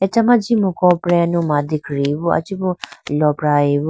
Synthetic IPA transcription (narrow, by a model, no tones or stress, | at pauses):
ɛt͡ʃamãd͡ʒimũkɔ̃pɾɛ̃nũmãd̪ikɾiβua̰t͡ʃibũlɔpɾaiβu